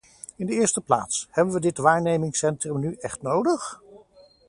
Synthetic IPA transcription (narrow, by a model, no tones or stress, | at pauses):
ɪndəɪːɹstəpla̰ːtshɛbənʋədɪtʋaːɹnejmɪŋsɛntrəmnyʔɛχtnowdəχ